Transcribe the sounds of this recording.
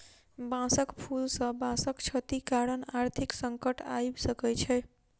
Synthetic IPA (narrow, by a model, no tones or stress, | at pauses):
bãsəkpʰulsə̃bãsəkt͡ʃʰət̪ikaɾənaɾt̪ʰiksəŋkəʈajbsəkɛt͡ʃʰɛ